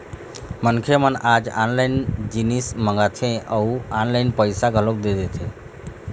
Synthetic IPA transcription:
mənkʰemənad͡ʒanlaind͡ʒinisməŋɡat̪ʰẽəuanlaɪinpəjsaɡʱəlok̚d̪ed̪et̪ʰẽ

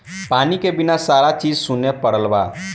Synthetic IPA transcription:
panikebinasaɾat͡ʃid͡ʒsunːepəɽəlba

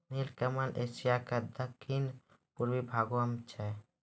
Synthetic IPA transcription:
nilkəməlʔesijakad̪əkʰːin | puɾwibʱaːɡuəmt͡ʃʰɛ

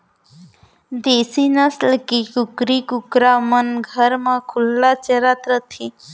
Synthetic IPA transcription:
d̪eːsinəslkikʊkɾikʊkɾamənɡʱəɾmãkʰʊlːat͡ʃəɾat̪ɾət̪ʰi

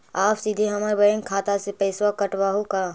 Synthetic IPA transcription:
aːpsid̪ʱeɦɐmaɾbɐẽːŋkʰaːt̪asepɛɪswakɐʈwaːɦukaː

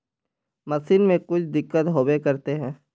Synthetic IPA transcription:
mɐsiːnmẽkʊt͡ʃʰd̪ɪkːət̪ɦoːbekɐɾt̪eɦɛ̃ː

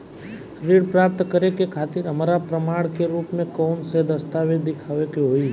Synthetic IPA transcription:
ɾiɽpɾaːp̚t̪kəɾekekʰaːt̪ɪɾɦəmaɾapɾəmaːɽ̃keɾuːpmẽkɔːnsed̪əst̪aʋed̪ɪkʰaːʋekeɦoːi

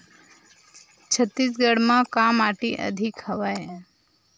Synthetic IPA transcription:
t͡ʃʰət̪ːisɡəɽmãkamaʈiʔə̰d̪ʱikhəʋaj

